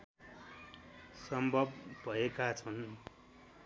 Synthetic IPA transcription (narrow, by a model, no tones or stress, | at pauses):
sʌmbʱʌbbʱʌekat͡sʰʌn